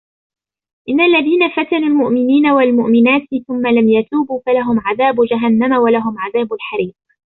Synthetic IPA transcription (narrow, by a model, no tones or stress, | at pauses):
ʔɪnːaʔalːaðiːnafat̪anuːlmʊʔmɪniːnawalmʊʔmɪnaːt̪θʊmːalamjat̪uːbuːfalaɦʊmʕaðaːbʊd͡ʒaɦanːamawalaɦʊmʕaðaːbalħaɾiːq̚